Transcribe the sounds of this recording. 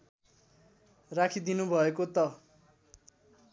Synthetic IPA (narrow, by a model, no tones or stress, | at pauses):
rakʰid̪inubʱʌekot̪ʌ